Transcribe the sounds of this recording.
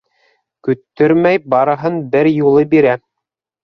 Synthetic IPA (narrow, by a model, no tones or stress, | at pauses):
kɵ̆t̪ːɵɾmæjbɑɾɤ̆ɦɤnbɘɾjulˠɤbiɾæ